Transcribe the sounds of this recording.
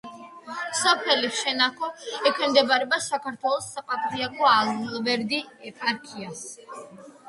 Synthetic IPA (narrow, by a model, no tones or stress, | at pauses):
sɔpʰɛliʃɛnakʰɔɛkʰwɛmd̪ɛbaɾɛbasakʰaɾt̪ʰwɛlˠɔsːaqʼat̪ʰʼɾiaɡʼɔalnɛlˠvɛɾd̪iɛpʼaɾkʰias